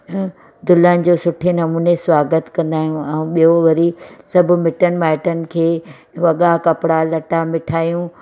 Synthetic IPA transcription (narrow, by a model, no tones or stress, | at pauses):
d̪ʊlənɪ̆d͡ʑoːsʊʈʰenɐmuːnesʋaːɡət̪kɐ̃nd̪aːɦijũɛ̃ũɓijoʋɐɾisɐbʱʊ̆mɪʈənɪ̆ʋaːɪʈənɪ̆kʰeː | ʋɐɠakɐpɽalɐʈamɪʈʰaːijũ